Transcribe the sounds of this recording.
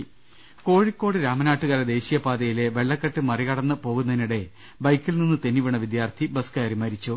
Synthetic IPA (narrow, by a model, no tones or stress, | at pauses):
ko̞ːɻikːo̞ːɽɨɾaːmɐnaːʈːuɣɐɾɐd̪e̞ːɕijɐpaːd̪ɐjile̞ʋe̞ɭːɐkːɐʈːɨmɐriɣɐɽɐnːɨpo̞ːɣunːɐðiniɽe̞ | bɐjkːilninːɨt̪enːiʋiɳɐʋid̪jaːrt̪ʰibɐskɐɐɾimɐɾit͡ɕːu